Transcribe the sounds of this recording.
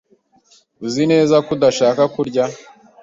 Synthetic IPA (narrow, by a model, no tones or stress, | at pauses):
uzine̞ːzakudaʃaːkakuɾɟa